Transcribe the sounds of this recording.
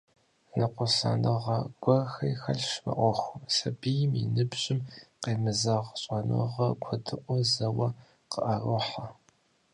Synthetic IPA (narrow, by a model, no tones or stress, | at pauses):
nɨqʷʊsa̰ːnɨʁɐɡʷɔrxɐjxɐɮʃmɐ̰ʔʷɔxʷʊmsɐbijɪmɪ̰nɨbʑʼɪmqeːmɨzɐʁɕʼanɨ̰ʁɐkʷʰɔdɨʔʷɔzɐwɐ | qəʔɐrɨħa